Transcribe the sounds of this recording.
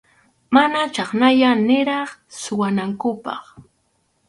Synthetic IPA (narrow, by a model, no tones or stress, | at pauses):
manat͡ʃɑχnaʎanɪɾɑχsʊwanaŋkʊpɑ̰χ